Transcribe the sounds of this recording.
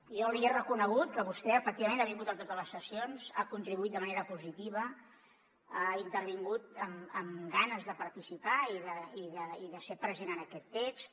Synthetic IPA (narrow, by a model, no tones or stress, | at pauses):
jɔwɾiərəkunəɣ̞ut̪̚kəβust̪ɛəfək̚t̪iβəmenaβiŋɡut̪ət̪ot̪ələsːəsionza̰kunt̪ɾiβuit̪̚d̪əməneɾəpuzit̪iβ̞ə | aint̪əɾβ̞iŋɡut̪əməmɡanəzðəpəɾt̪isipaiðəiðəiðəsepɾəzenənəkɛt̪ːekst̪